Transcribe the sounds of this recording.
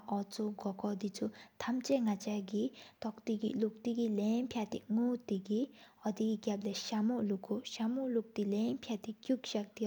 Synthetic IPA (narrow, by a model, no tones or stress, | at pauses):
ʔɔt͡suɡɔkɔd̪it͡sut̪ʰɐmt͡ʃeŋat͡ʃaɡit̪ɔkt̪iɡḭluk̚t̪iɡileːmpʰjat̪ḭŋut̪iɡiɔd̪iɡiɡjableʃamuʔlukʰuʃamuluk̚t̪ileːmpʰjat̪ikjukʃɐk̚t̪i